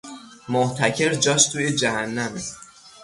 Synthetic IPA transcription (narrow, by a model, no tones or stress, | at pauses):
moʔt̪ʰæcʰe̞ɾd͡ʒɒːʃt̪ʰuːjed͡ʒæhænːæme